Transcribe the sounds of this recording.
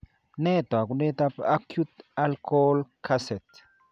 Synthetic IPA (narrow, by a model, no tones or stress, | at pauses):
nɛt̪oak̬unet̪apakʰjut̪alkɔlkʰasɛt̪